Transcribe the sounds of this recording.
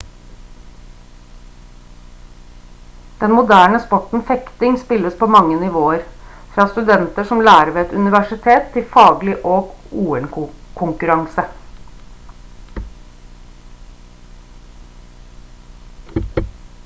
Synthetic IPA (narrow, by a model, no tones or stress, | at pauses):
d̪̥ɛnmʊd̪æːɳəspɔʈn̩fɛkt̪ɪŋspɪləspoːmɑŋːənɪʋoːəɾ | fɾɑːst̪ʉd̪ɛnt̪əʂɔmlæːɾəʋːɛt̪ʉnɪʋæʂɪt̪ʰeːt̪ʰːɪlfɑːɡlɪʔoːɡuːɛnkʰʊŋkʉɾɑŋsə